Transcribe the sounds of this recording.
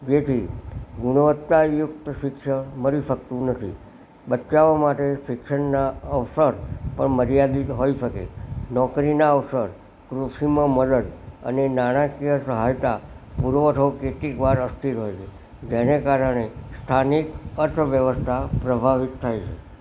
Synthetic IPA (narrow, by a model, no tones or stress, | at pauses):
d͡ʒet̪ʰiɡuɽ̃əʋət̪ːajʊk̚t̪əʃɪkʃəməɾiʃəkt̪ũnət̪ʰḭ | ɓət͡ʃaʋamaʈeʃɪkʃənːaəʋsəɾpəɳməɾijad̪itɦoiʃəkḛnɔkɾinaəʋsəɾ | kɾuʃimãməd̪əd̪ə̰nenaɽ̃ãkijəsəɦajt̪apuɾʋəʈʰokeʈikʋaɾəst̪ʰiɾɦojt͡ʃʰe | d͡ʒenekaɾəɽ̃est̪ʰanikəɾt̪ʰʋjəʋəst̪ʰapɾəbʱaʋit̪ʰːajt͡ʃʰḛ